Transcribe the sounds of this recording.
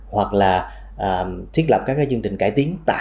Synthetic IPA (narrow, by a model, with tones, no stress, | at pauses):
hwa˨˩k̚laː˨˩ | ʔəː˨˩t̪ʰwi˦˥ət̚lə˨˩p̚kaː˦˥kːaː˨˦zə˧ŋt͡ɕï˨˩ŋ̟ka̰ː˧˩jt̪i˨˦əŋt̪a̰ː˧˨